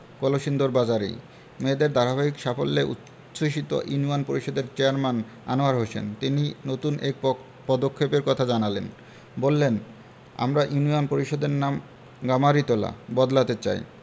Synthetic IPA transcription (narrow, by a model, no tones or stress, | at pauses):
koloʃind̪oɾbad͡ʑaɾḛ | med̪eɾd̪aɾabaikʃafolːeʔṵt̪ː | ɕoʃit̪o̰ʔunuanpoɾiʃɔd̪eɾt͡ɕeaɾman | a̰noaɾɦoʃḛnt̪ininot̪unʔek̚ | pɔd̪okʰːepeɾkɔt̪ʰad͡ʑanalen | bolːen | a̰mɾaʔjunianpoɾiʃɔd̪eɾnam | ɡamaɾit̪ola̰bɔd̪lat̪et͡ɕa̰j